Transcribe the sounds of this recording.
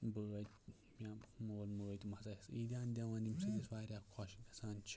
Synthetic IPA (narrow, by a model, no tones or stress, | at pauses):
bəːt̪ʲ | bʲamoːlməːt̪ʲmɐzasid̪ʲãːnd̪ʲaʋãːnd̪ʲimsɨd̪ʲiswaːɾʲakʰɔʃkɐ̥saːnt͡ʃʰ